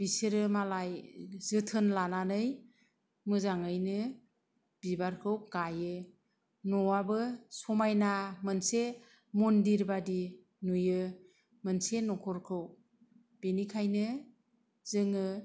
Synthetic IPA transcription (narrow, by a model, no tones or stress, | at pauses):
b̥iseɾɯmalajzɯtʰɯnlananɯj | mɯzaŋɯjnɯ | b̥ibaɾkʰɯwɡajɯ | nɔwabɯsɔmajnamɯnse | mundiɾbadi | nujɯ | mɯnsenɔkʰɔɾkʰɯw | b̥inikʰajnɯ | zɯŋɯ